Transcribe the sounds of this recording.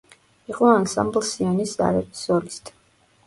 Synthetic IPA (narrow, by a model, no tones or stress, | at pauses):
iqʼɔansa̰mblsianisa̰ɾɛpsɔɾist̪ʰʼ